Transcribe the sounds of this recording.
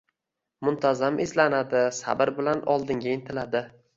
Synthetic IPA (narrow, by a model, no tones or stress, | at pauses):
mʊnt̪ʰazamʔɪzlanad̪ɪsa̰bɪɾbɪlanɒlˠd̪ɪŋɡʲaent̪ʰɪlad̪ɪ